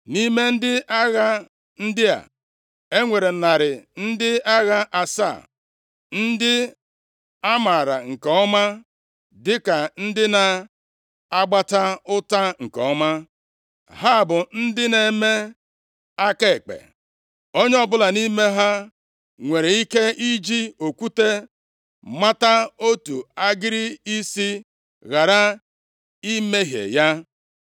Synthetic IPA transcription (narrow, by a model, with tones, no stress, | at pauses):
ni˦me˦n̩˦dɪ˦ʔa˦ɣa˦ | n̩˦dɪ˦a̰˨ | e˦ŋʷe˨ɾe˨na˨ɾɪ˨n̩˦dɪ˦a˦ɣa˦ʔa˨sa̰˦˨ | n̩˦dɪ˦ | a˦ma˨ɾa̰˨ŋ̩˨kɔ˨ɔ˦ma˦ | dɪ˦ka˨n̩˦dɪ˦na˨ | a˦ɡ͡ba˦ta˦ʊ˦ta˦ŋ̩˨kɔ˨ɔ˦ma˦ | ɦa˦˨bʊ˨n̩˦dɪ˦ne˦me˦ | a˦ke˦e˨k͡pḛ˨ | o˦ɲe˦ɔ˦bʊ˦la˨ni˦me˦ɦa˦ | ŋʷe˨ɾe˨i˦ke˦i˦d͡ʒi˦o˨ku˦te˦ | ma˦ta˦o˦tu˨a˦ɡɪ˦ɾɪ˦i˦si˦ | ɣa˨ɾa˦ | i˦me˦ɦjḛ˨ja˦